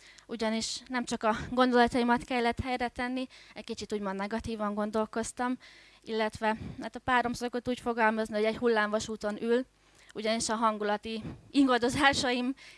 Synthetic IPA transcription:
uɟɒniʃnɛmt͡ʃɒkɒɡo̞nd̪o̞lɒt̪ɒjimɒt̪kɛlːɛt̪hɛjrɛt̪ɛnːiɛckit͡ʃit̪uːɟmo̞nd̪nɛɡɒt̪iːvɒŋɡo̞n̪d̪o̞lko̞st̪ɒm | ilːɛt̪ʋɛɛt̪ɒpaːɾo̞msokot̪uːcfo̞ɡɒlmɒznio̞ɟɛɟhulːaːɱvɒʃuːt̪o̞nyl | uɟɒniʃɒɦɒŋɡulɒt̪iiŋɡɒd̪o̞zaːʃɒim

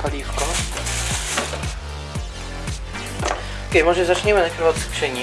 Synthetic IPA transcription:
paliːfkon | kɛmoʒɛzat͡ʃɲɛmɛnakɾvat̪skʃɛɲi

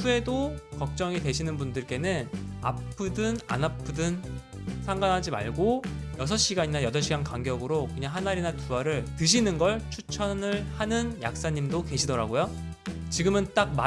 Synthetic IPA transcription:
pʰue̞dokʌk̚t͡ɕ͈ʌŋitwe̞ɕʰinɯnbundɯɭk͈e̞nɯna̰pʰɯdɯna̰napʰɯdɯn | sʰaŋɡanɦad͡ʑima̰ɭɡojʌsʰʌɕ͈iɡaɲinajʌsʰʌɕ͈ʰiɡankwaŋɡjʌɡɯɾokɯɲaŋɦanaɾinatuaɾɯɭtɯɕ̬ʰinɯnɡʌɭt͡ɕʰut͡ɕʰʌnɯɭhanɯnja̰k̚s͈aɲimdoke̞ɕʰidʌɾaɡojo | t͡ɕiɡɯmɯnt͈ak̚ma

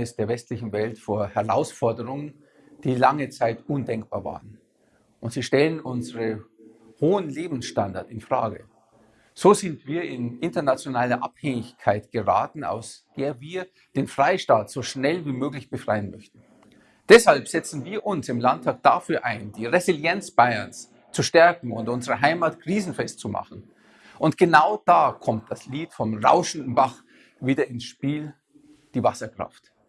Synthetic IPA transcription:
ɪsd̥eːɐvɛstlɪçn̩vɛltfoːɐhɛʁa̰ʊsfɔɐdəʁʊŋən | d̥iːlaŋət͡saɪtʔʊndɛŋk̚b̥aːɐva̰ːʁən | ʔʊntz̥iːʃtɛlənʔʊnzəʁə | hoːənleːbm̩sʃtandaɐtɪnfʁ̥a̰ːɡə̰ | z̥oːzɪntv̥iːɐʔɪnʔɪntɐnat͡sjonaːlɐʔa̰phɛŋɪçkʰaɪtɡ̥əʁa̰ːtn̩a̰ʊsd̥eːɐviːɐ | d̥eːnfʁ̥aɪʃtaːtz̥oːʃnɛlviːmøːklɪçb̥əfʁ̥aɪənmœçtn̩ | d̥ɛshalpz̥ɛt͡sn̩viːɐʔʊnsɪmlantʰaːk̚d̥afyːɐʔaɪnd̥iːʁezɪljɛnt͡sb̥aɪɐ̰ns | t͡suʃtɛɐkŋ̩ʊntʔʊnzəʁəɦaɪmaːtkʁ̥iːzn̩fɛst̚t͡suma̰χn̩ | ʔʊntɡ̥ənaʊd̥aːkʰɔmt̚d̥asliːtfɔmʁa̰ʊʃn̩dn̩baχ | viːdɐɪnsʃpiːl | d̥iːvasɐkʁ̥a̰ft

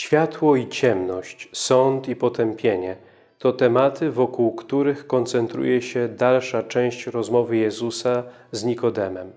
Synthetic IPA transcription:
ɕfʲjat̪wɔit͡ɕɛmnɔɕt͡ɕsɔnt̪ipɔt̪ɛmpʲjeɲɛ | t̪ɔt̪ɛmat̪ʰɘvɔkuwkt̪uɾɘxkɔnt̪sɛnt̪ɾṵjɛɕɛd̪alʂat͡ʂɛ̃w̃ɕt͡ɕɾɔzmɔvɘjɛzusazɲikɔd̪ɛmɛm

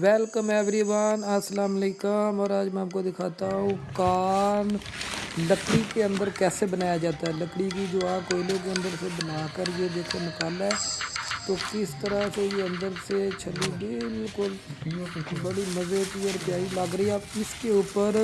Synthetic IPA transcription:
ʋɛːlkəmɛ̃ːbɾiːbaːnəsəlaːmleːkaːmɔːɾaːd͡ʒmɛ̃əp̚kod̪ɪkʰaːt̪aɦũːkaːn | ləkɽikeə̃nd̪əɾkɛːsebənaːjad͡ʒaːt̪aɛːləkɽikid͡ʒoaːkoːlõk̬eə̃nd̪əɾsebənaːkəɾjed̪eːkʰenɪkaːlɛːt̪oːkɪst̪əɾasejeə̃nd̪əɾset͡ʃʰəlːibɪlkʊl | bəɽiməzək̪iɔːɾpjaːiləɡɾəiaɪskeʊːpəɾ

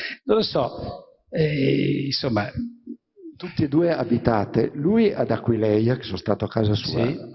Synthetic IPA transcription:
nõlosɔ | ɛĩnsomːa | t̪ut̪ːied̪uːeabit̪aːt̪ḛluːiad̪akwilɛjake̥sõnst̪aːt̪oakaːzasṵːia

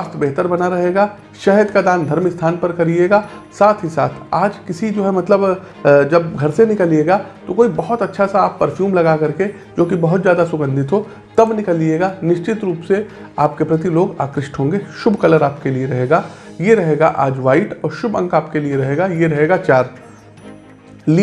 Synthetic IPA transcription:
aːst̪ʰbeɦt̪əɾbɐnaɾɐɦeːɡaː | ʃɐɦəd̪kad̪ãːnd̪ʱɐɾmɪst̪ʰaːnpɐɾkɐɾieːɡaːsaːt̪ʰɦisaːt̪ʰaːd͡ʒkɪsid͡ʒoːɦɛmɐt̪ləb | d͡ʒɐbɡʱɐɾsenɪkəlieːɡat̪okoːibɐɦʊt̪ɐtːʃʰasaaːpːɐɾfjuːmlɐɡakɐɾke | d͡ʒoːkibɐɦʊt̪zjaːd̪asʊɡə̃nd̪ʱɪt̪ɦo | t̪ɐbnɪkəlːieːɡanɪʃt͡ʃɪt̪ɾuːpse | aːp̚kepɾɐt̪iloːɡa̰ːkɾɪʃʈʰɦõːŋɡeʃʊbʱkɐləɾaːpkelieɾɐɦeːɡajeɾɐɦeːɡaʔaːd͡ʒʋaːɪʈɔːɾʃʊbʱɐ̰̃ŋkaːpkelieɾɐɦeːɡajeɾɐɦeːɡat͡ʃaːɾ | li

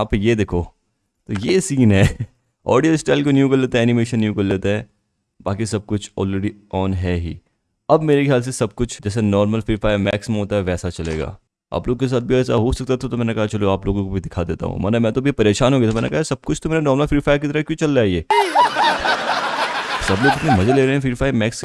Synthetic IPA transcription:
aːpjed̪eːkʰoː | t̪ojeːsiːnɦɛː | ɔ̰ːɖijəlsʈaːɪlkonjukɐɾleːt̪aɦɛːnimeːʃə̃nːjukɐɾleːt̪aɦɛː | baːk̬is̬ɐb̚kʊt͡ʃʰɔ̰ːlɾeɖiɔːnɦɛɦḭː | ɐbmeːɾekjaːls̬esɐb̚kʊt͡ʃʰd͡ʒɛːs̬enɔːɾməlfɾiːfaːjmɛːksmẽɦoːt̪aɦɛʋɛːsat͡ʃɐlḛːɡa̰ː | a̰ːploːɡokes̬aːt̪̚bʱiɛːsa̰ɦosɐk̚t̪at̪ʰat̪omɛːnekɐɦat͡ʃɐloaːploːɡõkobʱid̪ɪkʰad̪eːt̪a̰ɦṵ̃ma̰ːnɛmɛ̃t̪obʱipɐɾeːʃaːnɦoːɡet̪ʰomɛ̃ːnḛkɐɦasɐb̚kʊt͡ʃʰt̪ʰomeːɾanɔːɾməlfiːfaːɪk̬it̪ɐɾəkjõːt͡ʃɐlɾaieː | sɐbloːɡɪt̪nẽmɐzeleːɾɐɦẽɛ̃fiːfaːjʋmɛːks

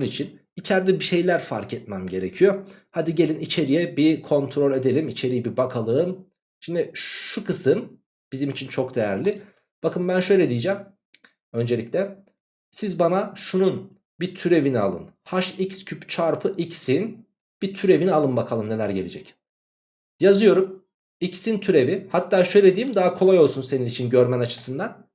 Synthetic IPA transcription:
onuit͡ʃʰin | it͡ʃʰæɾd̪ɛbiʃe̞jlʲæɾfaɾkɛt̪̚mæmɟe̞ɾecʰijohad̪iɟe̞lʲinit͡ʃʰe̞ɾijɛbikʰo̞nt̪ʰɾo̞lʲe̞d̪e̞lʲimit͡ʃʰe̞ɾijibibakʰalˠɯːm | ʃimd̪iʃukʰɯsɯm | b̥izimit͡ʃʰint͡ʃʰo̞kd̪e̞jæɾlʲi | b̥akɯnbænʃø̞jlʲed̪ijid͡ʒɛm | ø̞nd͡ʒe̞lʲicʲlʲɛ | sizbanaʃunun | bit̪ʰyɾe̞vinia̰lˠɯ̰nhaʃicscʰypt͡ʃʰaɾpʰɯʔicsin | b̥it̪ʰyɾe̞vinialˠɯmbakʰalˠɯmne̞lʲæɾɟe̞lʲed͡ʒɛc | jazɯjo̞ɾum | icsint̪ʰyɾe̞vihat̪ʰːaːʃø̞jlʲed̪ijimd̪aɦakʰo̞lˠajo̞lˠsunse̞ninit͡ʃʰinɟø̞ɾmænat͡ʃʰɯ̥sɯnd̪an

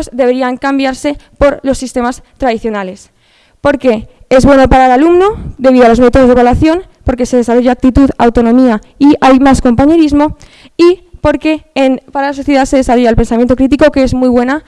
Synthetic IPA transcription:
zd̪e̞βe̞ɾiaŋkambjaɾse̞po̞ɾlo̞sːist̪e̞mast̪ɾaðiθjo̞nale̞s | po̞ɾke̞e̞zβwe̞nopaɾalalumno̞d̪e̞βiðoalozmet̪ozðeβalwaθjo̞n | po̞ɾke̞se̞ð̞esaɾro̞ʝaːk̚t̪it̪uða̰wt̪o̞nõmia | iajmasko̞mpaɲe̞ɾizmo̞ | ipo̞ɾke̞npaɾalas̬oθjeðase̞ðesaro̞ʝaelpe̞nsamjent̪o̞kɾit̪̬iko̞keezmujβ̞we̞na

